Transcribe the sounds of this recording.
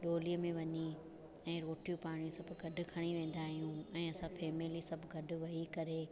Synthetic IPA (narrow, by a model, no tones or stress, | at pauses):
ɗoːlijəmẽʋɐɲi | ɛ̃ːɾoːʈijũpaːɽ̃jũsɐbʱʊɡɐɖʱʊ̆kʰɐɽ̃iʋẽːn̆d̪aːɦijũɛ̃ːɐsãfeːmeːlisɐbʱʊɡɐɖʱʊ̆ʋɐɦikɐɾe